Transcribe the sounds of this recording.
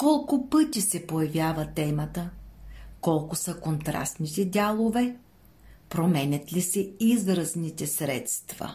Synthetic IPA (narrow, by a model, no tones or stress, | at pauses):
kɔlˠkʊpɤt̪ʲisɛpojɐvʲjavət̪ɛmət̪ə | kɔlˠkʊsəkont̪ɾa̰st̪nit̪ɛdʲalˠovɛ | pɾomɛnʲət̪lisɛizɾɐznit̪ɛsɾɛ̰t̪st̪vɐ̰